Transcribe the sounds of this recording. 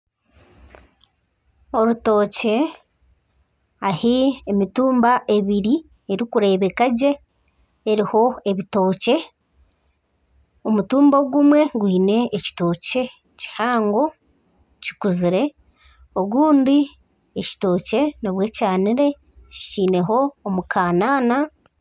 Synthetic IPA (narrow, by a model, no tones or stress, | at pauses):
o̞ɾuto̞ːce̞ | ahiemituːmbaʔe̞βiɾi | eɾikuɾe̞ːβe̞kaɟe̞ː | ɾiho̞e̞βito̞ːce̞ | omutuːmboɡumwe̞ɡwiːne̞ːci̥to̞ːce̞ | ci̥haːŋɡo̞ | ci̥kuziɾe̞ | oɡuːndi | eci̥to̞ːce̞noβwe̞ːcaːniɾe̞ | ci̥ciːne̞ɦo̞ːmukʰaːnaːna